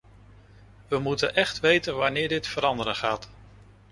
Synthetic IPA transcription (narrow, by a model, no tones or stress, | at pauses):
ʋəmutə̰nʔɛχtʋejtənʋanɪːɹdɪtfəɾɑndəɾənχaːt